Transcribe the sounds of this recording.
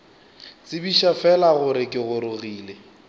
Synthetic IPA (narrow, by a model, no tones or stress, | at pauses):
t͡sʼɪbiʃafɛlaɣʊɾɪkʼɪɣʊɾʊɣiːle